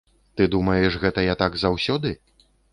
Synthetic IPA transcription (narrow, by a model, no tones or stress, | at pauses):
t̪ɨd̪umɐjɛʂɣɛt̪ɐjat̪aɡzawsʲɔd̪ɨ